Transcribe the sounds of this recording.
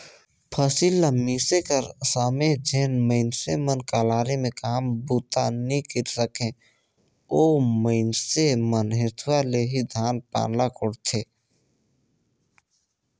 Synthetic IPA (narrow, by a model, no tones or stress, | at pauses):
pʰəsilːamisekəɾsaːmed͡ʒeːnməɪnsemənkaːlaːɾemẽkaːmbut̪anikiɾsəkʰẽ | oːməɪnsemənɦɪ̃t̪ʰwaleɦid̪ʱaːnpa̰ːnlakʊɽt̪ʰeː